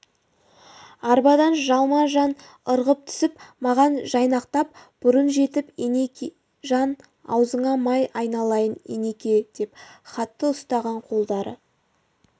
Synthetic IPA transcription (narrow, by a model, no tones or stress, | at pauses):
ɑɾbɑd̪ɑnʒɑlˠmɑʒɑn | əɾʁəp̚t̪ʰʏ̥sɪpmɑʁɑnʒɑjnɑqt̪ɑp̚b̥ʊɾənʒe̞t̪ɪpenek | ʒɑn | ɑ̰wzəɴɑmɑjɑjnɑlˠɑjənḛne̞kʲe̞d̪̥e̞pχɑt̪ːəʊst̪ɑʁɑɴqʰo̞lˠd̪ɑɾə̰